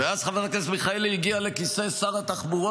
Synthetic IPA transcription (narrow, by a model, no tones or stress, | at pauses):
veazχavetakesmiχailiɡiale̞kisesaʁat̪aχbuʁo